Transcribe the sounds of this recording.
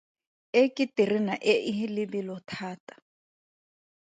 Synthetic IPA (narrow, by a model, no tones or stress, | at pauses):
ekʼɪtʼirinaʔeʔɪɦilɪbilɔtʰaːtʼḁ